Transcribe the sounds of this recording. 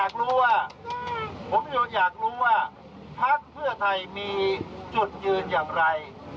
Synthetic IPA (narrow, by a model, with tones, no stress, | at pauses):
aː˨˩k̚ɾuː˦˥waː˥˩ | pʰo˩˦mjuː˨˩jaː˨˩k̚ɾuː˦˥waː˥˩ | pʰa˦˥˩k̚pʰɯ˥˩ɐt̪ʰa˧jmiː˧t͡ɕu˨˩t̪̚t͡ɕɯː˧njaː˨˩ŋɾa˧j